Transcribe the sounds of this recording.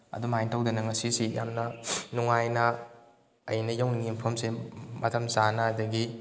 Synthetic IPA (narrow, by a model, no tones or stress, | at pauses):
ɐ̰dumajntʰawdɐnɐŋɐsisija̰mnɐnuŋajnɐː | jnɐjawniŋimpʰɐmsemɐtʰɐmzanɐːdɐɡi